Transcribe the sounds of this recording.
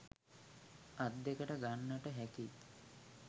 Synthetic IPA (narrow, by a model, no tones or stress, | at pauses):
ad̪ːekəʈəɡanːəʈəɦæki